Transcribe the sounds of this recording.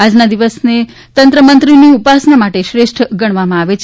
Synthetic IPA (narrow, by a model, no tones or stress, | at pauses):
ad͡ʒnad̪iʋəsne | t̪ənt̪ɾəmənt̪ɾiniupasnamaʈeʃɾeʃʈʰɡəɽ̃ʋamãaʋet͡ʃʰ